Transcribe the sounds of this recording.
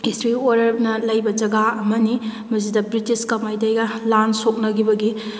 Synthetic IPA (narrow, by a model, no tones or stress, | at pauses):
istɾioɾɐɾnɐlɐjbɐd͡ʒɐɡaɐmɐni | mɐs̬idɐbɾitiskɐmajtajɡɐlansok̚nɐɡibɐɡi